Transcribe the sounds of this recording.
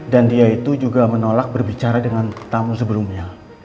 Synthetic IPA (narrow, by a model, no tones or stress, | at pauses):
dandiait̪ud͡ʒuɡamənolak̚bərbit͡ʃaɾadəŋant̪amus̬əbəlumɲa